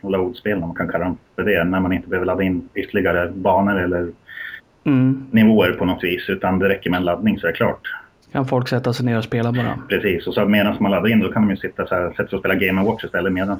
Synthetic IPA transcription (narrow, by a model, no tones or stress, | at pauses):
lauːd̪speːlnamankʰankʰalːaɛmfœɖɛnænmanɪnt̪əbəøvəɾɭad̪ːaɪnːʏt̪ʰːəɭɪɡaɾəbɑːnəɾɛlːəɾ | nɪvoːəɾpʰɔnɔt̪viːsʉ̟ːt̪and̪ɛɾɛkːəɾmɛɛnlad̪nɪŋsɔæɾkʰlɑ̰ːʈ | kʰanfɔlksɛt̪ːasɛneːɾɔspeːlabɔɾa̰pʰɾɛsiːsɔsɔmeːd̪ansmanlad̪ːaɾɪnd̪ɔkʰanɔmjɵsɪt̪ːasɔæsɛt̪ːfɾɔspeːlaɡɛɪməwɔʈ̪ʂɪst̪ɛlːəmeːd̪ans